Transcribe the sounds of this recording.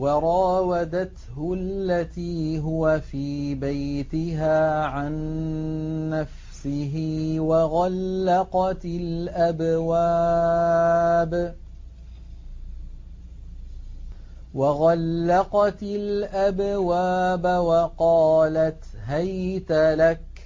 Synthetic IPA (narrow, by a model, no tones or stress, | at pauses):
wɑɾˤɑːwad̪at̪hʊalːat̪iːɦʊwafiːbajt̪ɪɦaːʕanː | af | sɪɦɪwaɣalːɑqɑt̪ɪlʔabwa | b | wɑɣalːɑqɑt̪ɪlʔabwaːbawɑqɑːlat̪ɦajt̪alak